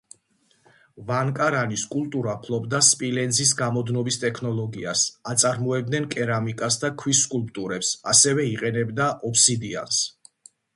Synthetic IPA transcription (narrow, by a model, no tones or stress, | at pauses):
vankʼaɾaniskʼulˠt̪ʼuɾapʰlˠɔbd̪aspʼilɛnzis̬ɡamɔd̪nɔbist̪ʼɛkʰnɔlˠɔɡiasat̪sʼaɾmɔɛb̚d̪nɛnkʼɛɾamikʼasd̪akʰwisːkʼulˠpʼt̪ʼuɾɛpsasɛvɛiqʼɛnɛbd̪aʔɔpʰsid̪ia̰ns